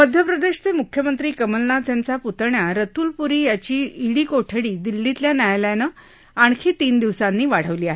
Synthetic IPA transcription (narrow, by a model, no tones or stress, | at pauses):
məd̪ʱjəpɾəd̪eɕt͡semukʰjəmənt̪ɾiːkəməlnat̪jant͡saput̪ɳjaɾət̪uːlpuɾiːjat͡ɕiːiɽiːkoʈʰəɽiːd̪ilːit̪ljanjajljanəː | aɳkʰiːt̪iːnd̪iʋsanːiːʋaɽ̤əʋliːaɦe